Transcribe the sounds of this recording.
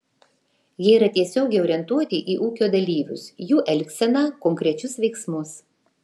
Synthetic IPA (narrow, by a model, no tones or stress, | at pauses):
jiɛiːɾɐt̪ʲiɛsʲoːɡʲɛɪɔːɾʲiɛnt̪uɔt̪ʲɪʔiːʔuːkʲoːd̪ɐlʲiːʋʲʊ̰sjuːʔɛlʲksʲɛnɑkɔŋʲkɾʲɛt͡ʃʲʊsʋʲɛɪksmʊs